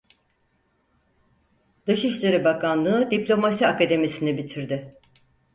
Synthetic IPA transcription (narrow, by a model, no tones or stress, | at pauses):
d̪ɯʃiʃlʲeɾibakʰanlˠɯːd̪iplʲo̞masiakad̪e̞misinɛbit̪ʰiɾd̪ɪ